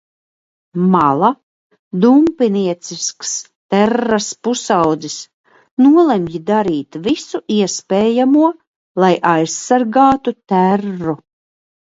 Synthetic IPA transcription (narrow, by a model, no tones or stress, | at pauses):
malˠa | d̪umpiniɛt̪sisks | t̪æɾːaspusawd̪zis | nuɔlˠemjid̪aɾiːt̪visuʔiɛspeːjamuɔ | lˠajʔajsːaɾɡaːt̪ut̪ærːu